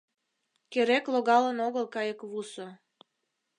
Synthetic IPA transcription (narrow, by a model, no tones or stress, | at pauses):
keɾekloɣɑlənoɣəlkɑjəkβuso